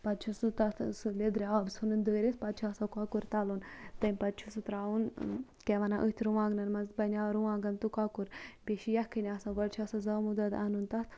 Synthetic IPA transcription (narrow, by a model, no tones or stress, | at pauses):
pɐt̪̚t͡ʃʰusut̪ɐt̪ʰsɨled̪ɾʲeaːbsunɨnd̪əːɾʲespɐt̪̚t͡ʃʰuɐsɐ̃kaːkuɾt̪aːlunt̪ɐmʲpɐt̪̚t͡ʃʰusut̪ɾaːun | kɛʋɐnaʔət̪ʰɾuʋãːɡnɐnmɐnzbɐnʲaːɾuʋaːɡɐnt̪ukaːkuɾbeʃijɐhkʰɨnʲasɐ̃ʋɐɽt͡ʃʰuɐsɐ̃zɐmud̪ɐd̪a̰nunt̪ɐt̪ʰ